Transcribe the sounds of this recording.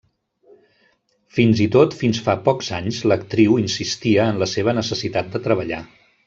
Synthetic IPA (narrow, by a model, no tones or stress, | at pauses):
finzit̪ot̪finsfapɔkz̥aɲzlək̚t̪ɾiwinsist̪iəːnləseβ̞ənəsəsit̪at̪̚d̪ət̪ɾəβ̞əʎa̰